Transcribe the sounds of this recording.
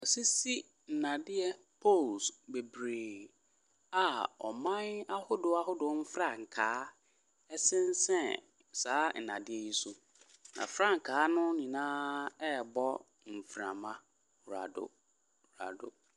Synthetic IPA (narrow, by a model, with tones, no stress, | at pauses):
ɔ˨si˦si˦ | n̩˨nã˨dɪ˦ɛ˦ | pʰo˦˨lsbe˨bɾeː˨ | a˨ɔ̰˨mã˦na˦hʊ˦dʊ˨a˦ɦʊ˦dʊ˨˦m̩˦fɾa˦˨ŋ̩˨kʰaː˨˦ | ɛ˦sɪ̃˦n˦sɛ̃˦ | saː˨˦n̩˨nã̰˨dɪ˦ɛ˦ji˦su˨ | nã̰˨fɾa˦ŋ̩˨kʰaː˨˦nʊ̃˦nĩ˨nãː˦ɛ˦˨bɔ˦ | m̩˨fɾã̰˨mã˦˨ | ɾa̰˨dʊ̰˨ | ɾa̰˨dʊ̰˨